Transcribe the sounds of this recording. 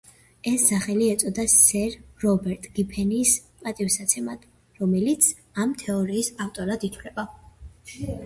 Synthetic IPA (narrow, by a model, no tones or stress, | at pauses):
ɛsːaχɛliɛt̪sʼɔd̪asɛɾɾɔbɛɾt̪ʼɡ̥ipʰɛniːspʼat̪ʼifsat̪sʰɛmad̪ʰ | ɾɔmɛlit̪sʰ | amt̪ʰɛɔɾiːsaft̪ʼɔɾad̪it̪ʰwlɛba